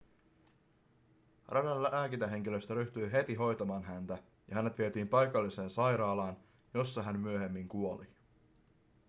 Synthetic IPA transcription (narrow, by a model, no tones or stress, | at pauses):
rʔɑdɑnlæʔæːkit̪æɦe̞ŋk̟ilø̞st̪æɾyht̪yjɦe̞t̪iɦo̞jt̪ɑmɑːnɦænt̪æ | jɑhæne̞t̪ʋiet̪iːmpɑjkɑlːise̞ːnsɑjɾɑːlɑːn | jo̞sːɑɦænmyøɦe̞mːiŋkuo̞li